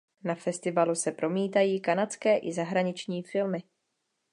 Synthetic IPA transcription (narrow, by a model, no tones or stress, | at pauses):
nafɛst̪ɪvalusɛpɾo̞miːt̪ajiːkanat͡skɛːʔɪzaɦɾaɲɪt͡ʃɲiːfɪlmɪ